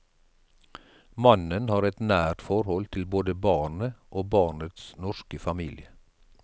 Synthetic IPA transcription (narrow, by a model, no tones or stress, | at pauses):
mɑnənhɑːɾɛt̪næːʈ̪fɔɾhɔlt̪ʰɪlboːd̪əbɑːɳəʔoːbɑːɳət̪snɔʃkəfɑmiːlɪə